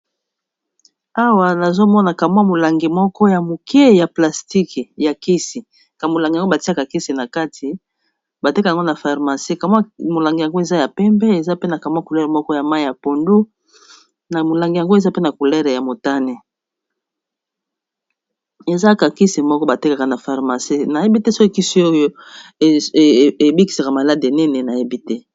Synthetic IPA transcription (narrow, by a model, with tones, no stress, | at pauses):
a˦wa˨na˨zo˦mɔ˦na˨ka˨mwa˦mo˨la˨ŋɡi˨mɔ˦kɔ˦ja˨mo˨kje˦ja˨pla˨sti˦ki˨ja˨ki˦si˨ | ka˨mo˨la˨ŋɡa˨ŋɡo˦ba˨ti˦a˦ka˨ki˦si˨na˨ka˦tʰi˨ | ba˨te˦kŋɡo˦na˨fa˨ʁma˨si˦˨ka˨mwa˦mo˨la˨ŋɡi˨ja˨ŋɡo˦e˨za˦ja˨pɛ˦mbɛ˦e˨za˦pe˦na˨ka˨mwa˦ku˨lɛ˦ɾe˨mɔ˦kɔ˦ja˨ma˦˨ja˨po˨ndu˦ | na˨mo˨la˨ŋɡi˨ja˨ŋɡo˦e˨za˦pe˦na˨ku˨lɛ˦ʁe˨ja˨mo˨ta˦ne˨ | e˨za˦ka˨ki˦si˨mɔ˦kɔ˦ba˨te˦ka˨ka˨na˨fa˨ʁma˨si˦na˨je˦bi˦tɛ˦so˦e˦˨ki˦si˦o˦jo˦˨ | e˨bi˦ki˨sa˨ka˨ma˨la˦de˨nɛ˦nɛ˨na˨je˦bi˦tɛ˦